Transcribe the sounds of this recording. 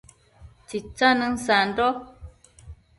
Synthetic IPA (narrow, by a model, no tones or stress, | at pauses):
t͡sit͡sanən̩san̩dɔ